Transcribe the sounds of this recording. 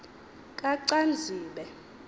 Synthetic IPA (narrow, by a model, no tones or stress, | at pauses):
kʼaǀand͡zʱiːɓɛ